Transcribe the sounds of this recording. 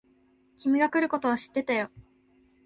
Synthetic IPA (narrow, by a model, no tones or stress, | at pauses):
kʲimiɡakɯ̟ɾɯ̟ko̞t̪o̞βaɕi̥t̪ːe̞t̪ajo̞